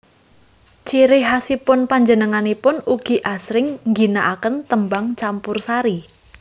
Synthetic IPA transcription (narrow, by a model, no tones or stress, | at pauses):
t͡ʃiɾɪɦasipʊnpaɲd͡ʒənəŋanipʊnuɡ̥i̤ʔasɾɪŋŋɡinaʔakənt̪əmbaŋt͡ʃampʊrsaɾi